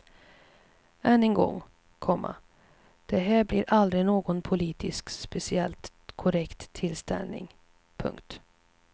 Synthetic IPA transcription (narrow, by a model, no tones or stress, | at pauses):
ʔɛnːɛŋɡɔ̰ŋː | kʰɔmːa̰ | d̪̥ɛɦæːɾbliɾʔald̪ɾɪnoːɡɔnpʰʊliːt̪ɪskspɛsɪɛlt̪ | kʰʊɾɛkt̪ʰːɪlst̪ɛ̰lnɪ̰ŋ | pʰɵ̰ŋkt̪